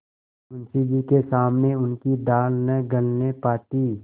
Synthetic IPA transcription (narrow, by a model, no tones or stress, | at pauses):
ʊnsid͡ʒikesaːmneʊnkid̪aːlnəɡəlnepaːt̪iː